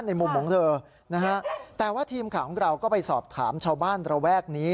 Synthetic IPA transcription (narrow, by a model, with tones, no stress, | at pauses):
nːa˧jmu˧mkʰɔː˩˦ŋt̪ʰɤː˧ | na˦˥ka˦˥t̪ɛː˨˩waː˥˩t̪ʰiː˧mkʰaː˨˩kʰɔ˨˩˦ŋɾa˧wkɔː˥˩pa˧jsɔː˨˩p̚t̪ʰaː˩˦mt͡ɕʰaː˧wbaː˥˩nɾa˧wɛː˥˩k̚niː˦˥